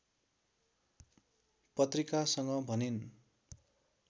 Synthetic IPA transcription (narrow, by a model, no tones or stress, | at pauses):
pʌt̪rikasʌŋɡʌbʱʌnin